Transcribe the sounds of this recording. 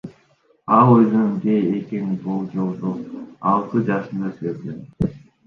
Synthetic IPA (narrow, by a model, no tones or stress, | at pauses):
ɑlˠøjzonbeekinbolˠd͡ʒolˠd̪oɑlˠt̪ɯd͡ʒɑʃɯnd̪ɑsezd̪e